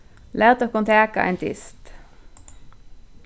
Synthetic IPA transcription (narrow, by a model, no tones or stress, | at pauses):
læːʁt̪okɔnt̪ʰæːkɑ̰ʔæ̰ːnt̪ʰɪ̰st̪